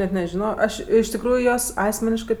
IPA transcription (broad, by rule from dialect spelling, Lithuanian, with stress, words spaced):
nʲɛt nʲɛʒʲɪˈnoːjoː ˈɐʃ ɪʃ tʲɪkˈruːjʊ ˈjuɔs ˈɑːsʲmʲɛnʲɪʃkɜ